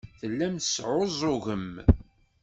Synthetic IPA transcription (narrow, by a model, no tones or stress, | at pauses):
θəlːæmθəsʕozˤʊʝəm